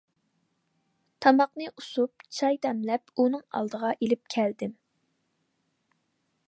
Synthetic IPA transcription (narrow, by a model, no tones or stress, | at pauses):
t̪ʰɑmɑqnɨʔusup̚t͡ʃʰɑjd̪ɛmlɛpunɨŋɑ̰lˠd̪əʁɑʔelɪp̚kʲʰɛld̪ɪm